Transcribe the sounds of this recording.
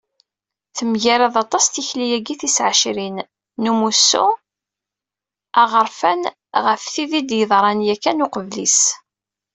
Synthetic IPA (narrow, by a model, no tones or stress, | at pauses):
θəmʝaɾɑðˤɑt̪ˤɑst̪içlijæɡiθisʕəʃɾinː | umusːṵ | æʁəɾˤfæn | ʁəfθiðid̪jəðˤɾˤɑnjækːænʊqəvlḭs